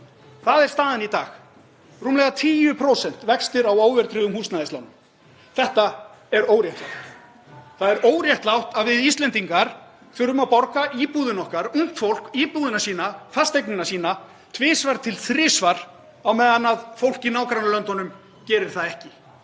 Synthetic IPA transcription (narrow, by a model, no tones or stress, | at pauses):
θaðɛɾ̥st̪aːðanit̪aːx | ruːmlɛɣat̪ʰiːjʏpʰɾowsɛn̥t̪vɛkst̪ɪɾawaːwvɛɾt̪ʰɾʏðʏmhulsnaðɪst̪awnʏm | θɛht̪aɛɾoːwɾjɛht̪lawht̪ | θaðɛɾoːwɾjaht̪lawht̪aðvɪðist̪lɛnt̪iŋkaɾ̥ | fʏɾʏmawpɔɾkaʔiːpuðɪnɔhkaɾuŋ̥t̪fowl̥kiːpuðɪnasiːnafḁst̪ejknɪnasiːna | t̪ʰvɪːsvaɾ̥t̪ʰɪlθɾɪːsvaɾ̥ | awmɛːðanːaðfowl̥cɪnaːwkɾanalœnt̪ɔnʏm | cɛːɾɪɾ̥θaðɛhcɪ